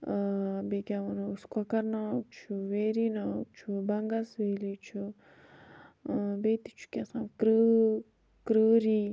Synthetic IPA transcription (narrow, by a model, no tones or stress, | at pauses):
bekʲawɐnuskwakɐɾnat͡ʃʰuweɾinat͡ʃʰubaŋɡasweːlit͡ʃʰu | bet̪it͡ʃʰu̥kʲasãːnkɾə | kɾəɾi